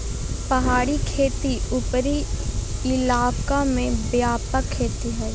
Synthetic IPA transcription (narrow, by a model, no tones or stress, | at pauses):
pɐɦaːɽikʰeːt̪iʊpɾi | ɪlaːbkamẽbjaːpəkʰːeːt̪iɦɛː